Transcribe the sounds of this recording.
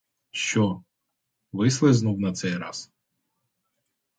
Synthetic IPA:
ʃt͡ʃɔ | ʋɪslˠeznuwnɐt̪sɛjɾɑ̰s

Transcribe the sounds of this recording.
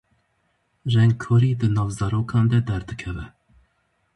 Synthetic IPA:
ʒɛŋɡkʰoɾiːd̪ɨnɑːvzɑɾoːkʰɑːnd̪ɛd̪ɛɾd̪ɨkʰɛvɛ

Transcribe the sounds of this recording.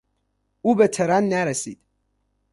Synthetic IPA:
uːbet̪ʰeɾænːæɾesḭːd̪̥

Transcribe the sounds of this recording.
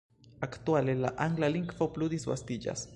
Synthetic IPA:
akt̪walela̰ʔaŋɡlaliŋkfoplud̪isba̰st̪iʎa̰s

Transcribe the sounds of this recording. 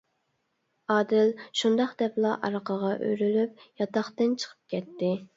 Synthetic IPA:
ɑːd̪ɪlʃund̪ɑχd̪ɛplˠɑʔɑ̰ɾqʰɑʁɑʔø̰ɾylyp̚jɑt̪ɑχt̪ɨnt͡ʃʰə̥qʰə̥p̚kʲʰɛt̪ːɪ

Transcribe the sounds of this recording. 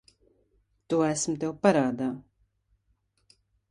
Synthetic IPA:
t̪uːæsmt̪ewpaɾaːd̪aː

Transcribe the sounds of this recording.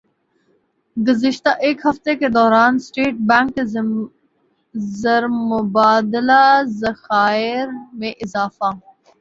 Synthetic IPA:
ɡʊzɪʃt̪aʔeːkhɐft̪eked̪ɔːɾaːnsʈeːʈ̚bɛŋkːe | zəɾmʊbaːd̪ɪlazɐxaːɪɾmẽʔɪzaːfa

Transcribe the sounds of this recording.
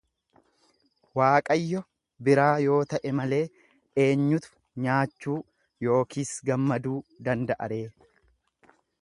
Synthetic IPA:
waːkʼɐjːɔ | bɪɾaːjo̞ːt̪ɐʔɛmɐle̞ː | e̞ːɲːʊt̪ʊ̥ | ɲaːt͡ʃːuː | jo̞ːkiːsɡɐmːɐd̪uːd̪ɐnd̪ɐʔɐ̰ɾe̞ː

